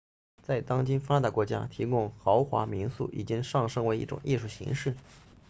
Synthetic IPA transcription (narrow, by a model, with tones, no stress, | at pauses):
t͡sa˥˩ɪt̪ɑ˥ŋt͡ɕi˥nfa˥d̪ə˩kwɔ˧˥t͡ɕja̰˥t̪ʰi˧˥kʊ˥ŋxɑ˧˥ʊxwa̰˧˥mi˧˥nsṵ˥˩ʔḭ˨˩t͡ɕi˥ŋʂɑ˥˩ŋʂɤ˥ŋwe˧˥ɪḭ˥˩ʈ͡ʂʊ̰˨˩ŋʔi˥˧ʂu˥˩ɕḭ˧˥ŋʂɻ̩˥˩